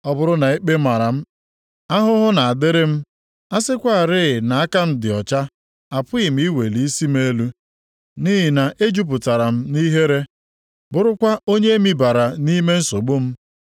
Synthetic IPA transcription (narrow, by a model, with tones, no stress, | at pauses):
ɔ˦bʊ˦ɾʊ˦na˨e˦k͡pe˦ma˨ɾa˨m̩˦ | a˦ɦʊ˦ɦʊ˦na˨a˨dɪ˦ɾɪ˦m̩˦ | a˦sɪ˦kʷa˦a˨ɾɪ˦˨na˨a˦ka˦m̩˦dɪ˨ɔ˨t͡ʃa˦ | a˨pʊ˦ɪ˨m̩˦i˦we˨li˦i˦si˦m̩˦e˦lu˦ | ni˦ɦi˨na˨ʔe˦d͡ʒu˦p̬ʊ˨ta˨ɾa˨m̩˦ni˦ɦe˦ɾe˦ | bʊ˦ɾʊ˦kʷa˦ʔo˦ɲe˦mi˦ba˨ɾa˨ni˦me˦n̩˦so˨ɡ͡bo˦m̩˦